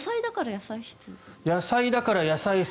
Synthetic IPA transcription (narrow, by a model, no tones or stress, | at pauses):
said̪akaɾajasaiçi̥t͡sɨjasaid̪akaɾajasai